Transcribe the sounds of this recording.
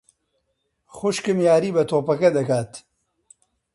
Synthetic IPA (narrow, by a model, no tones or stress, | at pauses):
xʊʃkɨmjaːɾiːbɐt̪ʰoːpɐkɐd̪ɐkaːt̪